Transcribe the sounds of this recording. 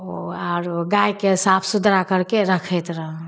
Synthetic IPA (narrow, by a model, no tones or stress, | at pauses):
oaɾɡajkesapʰsud̪ɾakəɾkeɾəkʰɛt̪ɾəɦ